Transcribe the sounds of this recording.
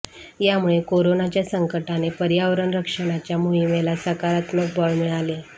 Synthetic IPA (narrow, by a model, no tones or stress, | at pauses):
jamuɭekoɾonat͡ɕjasəŋkəʈanepəɾjaʋɾəɳɾəkʂəɽ̃at͡ɕjamoɦimelasəkaɾat̪məkbɔɭmiɭale